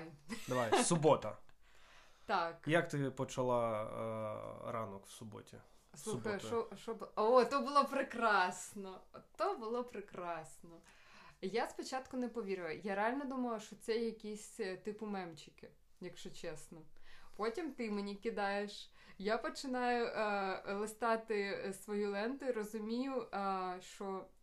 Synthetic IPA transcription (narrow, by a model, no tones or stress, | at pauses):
d̪ɐʋajsʊbɔt̪ɐ | t̪ɑkjɐkt̪ɪpɔt͡ʃɐlˠɑ | ɾɑ̰nɔkw̥sʊbɔ̰tʲḭ | suɛɔʃɔbɔt̪ɔbʊlˠɔpɾɪkɾɑsnɔt̪ɔbʊlˠɔpɾɪkɾɑsnɔ | jaspɔt͡ʃɑt̪kʊnɛpɔʋʲiɾɪʋɐjaɾeɑlʲnɔd̪umɐʋɐʃt͡ʃɔt̪sɛjɐkʲisʲt̪ɪpʊmɛmt͡ʃɪkɪ | jɐkʃt͡ʃɔt͡ʃɛsnɔpɔtʲimt̪ɪmenʲikʲɪd̪ɑjeʃ | japɔt͡ʃɪnɑjʊʔlˠɪst̪ɑt̪ɪsʋɔjulˠɛnt̪ʊiɾɔzʊmʲijʊʃt͡ʃɔ